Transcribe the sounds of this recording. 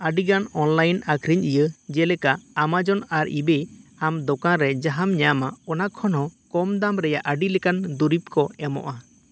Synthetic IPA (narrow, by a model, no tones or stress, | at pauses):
əɖiɡanɔnlajnakʰɾiɲʔijəd͡ʒɛlɛkaːmad͡ʒɔnaɾḭbeamd̪ɔkãɾɛd͡ʒaɦamɲamaɔnakʰɔnɔkɔmd̪amɾɛjaʔəɖilɛkand̪uɾip̚kɔɛmɔ̰ʔa